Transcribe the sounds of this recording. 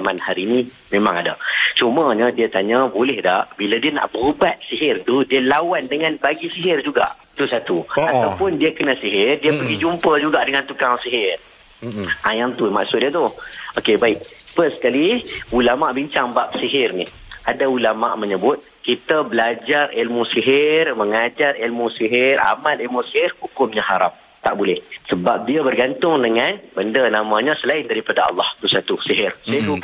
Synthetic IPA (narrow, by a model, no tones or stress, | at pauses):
amanhaɾini | mẽmã̰ŋada̰t͡ʃuməɲədiat̪aɲabolɛhdaʔbiladiəna̰ʔbəɾubat̪̚siɦɪrt̪udiəlawandəŋanbaɡisiɦɪrd͡ʒuɡa̰ʔ | t̪usat̪uat̪awpʊndiəkənasiɦɪrdiəpəɡid͡ʒumpəd͡ʒuɡaʔdəŋant̪ukaŋsiɦɪr | ajaŋt̪uma̰ʔsʊt̪̚diət̪uokebaɪk̚pəskaliulamaʔbiɲt͡ʃaŋbap̚siɦɪrnih | adaulama̰ʔməɲəbʊt̪̚kit̪əbəlad͡ʒarilmusiɦɪrməŋad͡ʒarilmusiɦɪra̰malilmusiɦɪrhukʊmɲaɦaɾa̰m | t̪aʔbulɛhsəbap̚diəbərɡant̪ʊŋdəŋanbəndənamãɲə̃səlaɪndaɾipadaɑ̰lˠːɑhdusat̪usiɦɪrsit̪u